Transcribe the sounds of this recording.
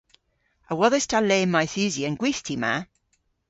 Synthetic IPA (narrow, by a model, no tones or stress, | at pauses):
əwɔðɛstʰaleːmːajθʉziənɡwiθtʰima̰